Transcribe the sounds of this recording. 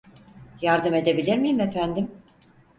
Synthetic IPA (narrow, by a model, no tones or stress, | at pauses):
jaɾd̪ɯme̞d̪e̞bilʲiɾmijimefænd̪im